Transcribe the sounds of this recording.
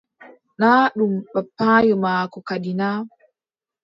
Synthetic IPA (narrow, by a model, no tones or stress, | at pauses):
naːɗumɓapːaːjɔmaːkɔkaɗinaː